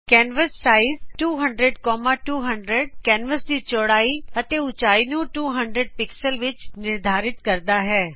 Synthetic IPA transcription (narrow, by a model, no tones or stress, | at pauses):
kɛːnʋəsːaːɪzʈuːɦə̃ɳɖɾeɖkɔːmaʈuːɦə̃ɳɖɾeɖkɛːnʋəsd̪iːt͡ʃɔːɽaːiɐt̪eʊt͡ʃaːinũʈuːɦə̃ɳɖɾəɖ̚pɪksəlʋɪt͡ʃnɪɾd̪ʱaːɾɪt̪kɐɾd̪aɦɛː